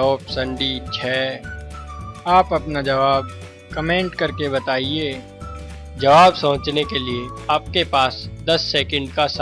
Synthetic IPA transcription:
oːpsɐ̃ɳɖit͡ʃʰɛː | aːpɐpnad͡ʒɐʋaːb̚ | kɐmẽːɳʈkɐɾkebɐt̪aːie | d͡ʒɐʋaːbsɐ̃ːt͡ʃnekelieaːp̚kepaːsd̪ɐsːeːkə̃ɳɖkas

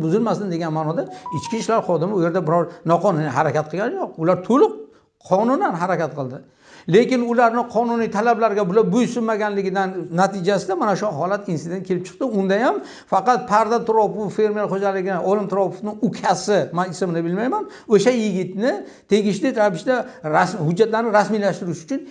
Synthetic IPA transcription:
bʊzɪlmasɪnd̪eɡʲanmaːnɒd̪aɪt͡ʃkʲiʃlaɾχɒd̪ɪmɪʊje̞ɾd̪abɪɾɒɾnɒqʰɒnʊnɪɦaɾakʲat̪̚qʰɨɡʲanjoq̚ʊlaɾt̪ʰolɪq̚ | qʰɒnʊnd̪anɦaɾakʲat̪̚qʰɨlˠd̪ɪ | le̞kʲɪnʊlaɾnɪqʰɒnʊnijt̪ʰalablaɾɡʲabʊlabʊjsʊnmaɡʲanlɪɡʲɪd̪anːat̪ʰɪd͡ʒasɪd̪amanaʃʊɦɒlat̪insɪd̪ent̚kʰʲe̞lɪpt͡ʃʰɨ̥qt̪ɪʊnd̪ajam | fɑqɑt̪̚pʰaɾd̪at̪ʰʊɾɒpʊffe̞ɾmealχod͡ʒalɪɡʲɪnɪʔɒlˠɪmt̪ʰʊɾɒpo̥fnɪŋʊkʲʰasɪmanɪsɪmɪnɪbɪlmajman | oʃajɪɡʲɪt̪nɪ | t̪ʰe̞ɡʲɪʃlɪɾapɪʃd̪aɾashʊd͡ʒːat̪laɾnɪɾasmijlaʃt̪ɪɾɪʃʊt͡ʃʰʊn

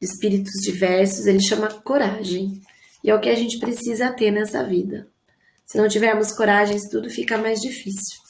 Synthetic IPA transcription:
ɪspiɾit̪ʊzd͡ʒivɛɾsʊzelɪʃɐ̃mɐkoɾaʒẽj̃ | ɪɛʊkɪaʒẽnt͡ʃɪ̥pɾesizɐt̪eɾnɛsɐ̰vid̪ɐ | sɪnɐ̃w̃t͡ʃivɛɾmʊskoɾaʒẽj̃st̪ud̪ʊfikɐmajzd͡ʒifisiw

